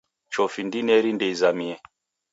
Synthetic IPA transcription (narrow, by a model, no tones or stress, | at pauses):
t͡ʃɔfindinɛɾindɛizamiɛ